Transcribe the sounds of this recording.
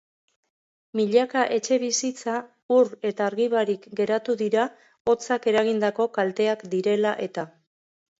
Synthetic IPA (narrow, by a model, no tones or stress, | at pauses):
miʎakaʔe̞t͡ʃe̞β̞isit͡sa | uɾe̞t̪aːɾɣiβaɾikɡe̞ɾat̪uðiɾa | o̞t͡sake̞ɾaɣ̞ind̪ako̞kalt̪e̞akd̪iɾe̞laʔe̞t̪a